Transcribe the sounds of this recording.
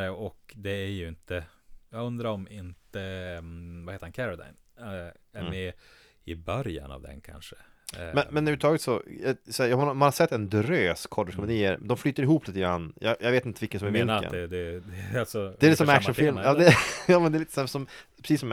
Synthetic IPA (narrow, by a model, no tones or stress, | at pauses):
ɔkd̪ɛæɾjɵɪnt̪ʰəjɑːɡɵnd̪ɾaɾɔmɪnt̪ə | vaheːt̪əɾhankʰæɾad̪a̰ɪn | æmɛ | ɪbœɾja̰na̰vd̪ɛ̰nkʰa̰nʂə | mɛnmɛnʉʉɾət̪ʰɑːɡət̪sɔjsɔæːjɑhmanhaʂɛt̪ːɛnd̪ɾøːskʰɔɖɪʂkʰɔmd̪iːəɾd̪ɔmflyːt̪əɾɪɦuːpliːt̪əɡɾa̰nːjɑ̰jɑveːt̪ɪnt̪əvɪkːənsɔmɛɾvɪlə̰nɛd̪ɛd̪ɛalsɔd̪ɛːlɪt̪ːəsɔmækʂmɔnfɪlmjɑːd̪ɛjɑːmɛnd̪ɛliːt̪əsɔmsɔmpʰɾɛsiːsɔm